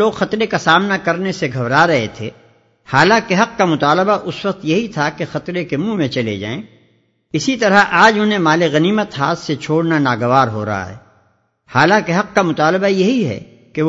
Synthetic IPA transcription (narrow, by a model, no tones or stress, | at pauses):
oːɡxɐt̪ɾekasaːmnakɐɾneseɡʱɐbɾaɾɐɦet̪ʰḛː | haːlãːkeɦɐq̚kamʊt̪aːləbaʔʊswɐq̚t̪jɐɦit̪ʰakexɐt̪ɾekemũmẽt͡ʃɐlḛd͡ʒa̰ːḛ̃ː | ɪsit̪ɐɾəʔaːd͡ʒɦʊnɦẽmaːleɣɐniːmət̪ɦaːt̪set͡ʃʰoːɽnanaːɡɐʋaːɾɦo̰ːɾɐ̰ɦa̰ɦɛ̰ː | haːlãːkeɦɐq̚kamʊt̪aːlbajɐɦiɦɛ̰ː | ke